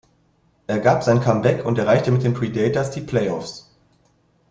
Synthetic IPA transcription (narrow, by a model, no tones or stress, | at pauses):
ʔeːɐɡaːpzaɪnənkʰambɛkʰʊntɛɐʁaɪçtəmɪt̚d̥eːmpʁ̥iːdɛːtɐsd̥iːpʰl̥ɛɪɔfs